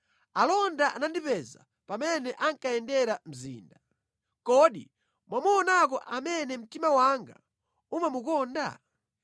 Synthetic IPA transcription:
alɔndaʔa̰nandipɛza̰ | pamɛnɛʔaŋkaɛndɛɾam̩zḭːnda | kɔɗi | mwamuɔnak̬ɔʔamɛnɛm̩timawaŋɡa̰ | umamukɔːnda̰

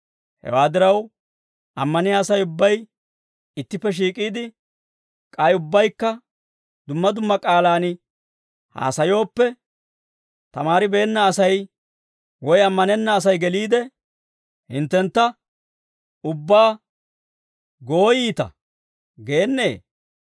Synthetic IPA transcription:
hɛ̰waːd̪ɪɾɐw | ʔɐmːɐnɪjaːsɐjʊbːɐj | ɪt̪ːɪpːɛʃ̬iːkʼiːd̪ɪ | kʼɐjʊbːɐjkːɐ | d̪ʊmːɐd̪ʊmːɐkʼaːlaːnɪ | ha̰ːsɐjo̞ːpːɛ | t̪ɐmaːɾɪbe̞ːnːɐːsɐj | wɔjɐmːɐnɛnːɐːs̬ɐjɡɛliːd̪ɛ | hɪ̰nt̪ːɛnt̪ːɐ | ʊbːaː | ɡo̞ːjiːt̪ɐ̰ | ɡe̞ːnːḛː

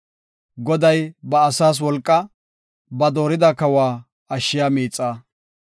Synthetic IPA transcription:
ɡɔd̪ɐjbɐːsaːs̬wɔlkʼːɐ | bɐd̪o̞ːɾɪd̪ɐkɐwaː | ɐʃːɪjaːmiːt͡sʼːaː

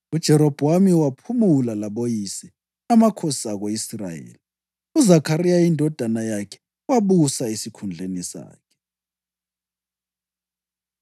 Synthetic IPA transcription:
ud̥ʒ̥ʱɛɾɔb̥ʱamiwapʰumulalaɓojisɛ | namakʰosi̥aɣoisra̰jḛːli | uzakʰarijaindʱɔd̥ʱanajakʰɛ̥ | waɓusaisikʰund͡ɮʱenisa̰ːkʰɛ̥

